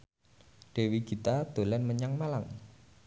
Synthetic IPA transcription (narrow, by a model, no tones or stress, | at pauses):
ɖ̥e̤wiɡ̥i̤t̪ad̪̥o̤lɛnməɲaŋmalaŋ